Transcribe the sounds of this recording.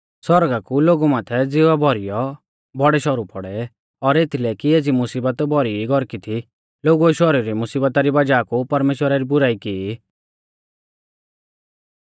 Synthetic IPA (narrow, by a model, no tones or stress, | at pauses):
sɔɾɡakuloːɡumãːt̪ʰɛd͡zɪʋabʱɔɾijɔ | bʱɔɽɛʃɔɾupɔɽɛ | ɔɾet̪ʰilɛkieːd͡zimʊsiːbət̪bʱɔɾiiɡʱɔɾkit̪ʰi | loːɡuɛʃɔɾiɾimʊsiːbət̪aɾibad͡ʒaːkupɐɾmeːʃwəɾaɾibʊɾaːikii